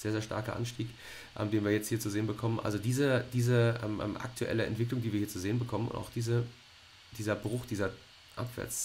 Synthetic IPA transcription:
z̥eːɐzeːɐʃtʰa̰ɐkɐʔa̰nʃtiːk | ʔɛ̰mdeːnviːɐjɛt͡sthiːɐt͡suzeːənbəkʰɔmənʔa̰lzodiːzədiːzəʔɛmʔɛ̰ːmʔa̰k̚tʰuʔɛ̰ləɛ̰ntv̥ɪklʊŋdiːviːɐhiːɐt͡suzeːənbəkʰɔmənʊ̰ntaʊxd̥iːzə | d̥iːzɐbʁʊxd̥iːzɐ | ʔa̰pv̥ɛ̰ɐt͡s

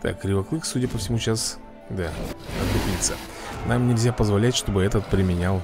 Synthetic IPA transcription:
t̪a̰kːɾʲɪvɐklˠɨxsudʲəpəfsʲɪmuɕas | d̪aɐupʲlʲit̪sə | namnʲɪlʲzʲapəzvɐlʲætʲʂt̪o̞bɨɛt̪ət̪̚pɾʲɪmʲɪnʲalˠ

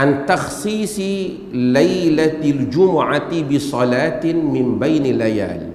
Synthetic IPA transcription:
ʕant̪ɑxsˤiːsˤɨ | lajlald͡ʒʊmʊʕabɪsˤɑlaːt̪mɪmbajnalːaja̰ːl

